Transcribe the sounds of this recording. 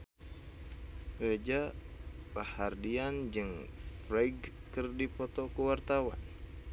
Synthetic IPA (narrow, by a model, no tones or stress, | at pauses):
red͡ʒapahardiand͡ʒɨŋfɾaɡkɨrdipɔt̪ɔkuwart̪awa̰n